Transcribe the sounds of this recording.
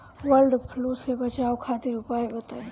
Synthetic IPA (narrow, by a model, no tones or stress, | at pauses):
wəɾɖpʰlosebət͡ʃaːokʰat̪iɾʊpaebət̪aːe